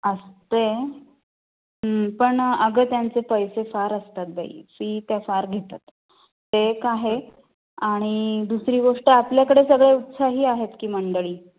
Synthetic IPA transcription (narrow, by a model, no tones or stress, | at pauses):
əst̪e | ɦəpəɳəɡəːt̪jant͡sepəjsefaɾəst̪at̪̚baḭfiːt̪jafaɾɡʱet̪at̪ː | ekaɦe | aɽ̃id̪usɾiːɡoʂʈəapljakəɽesəɡɭeut̪saɦiːaɦet̪kiːməɳɖəɭiː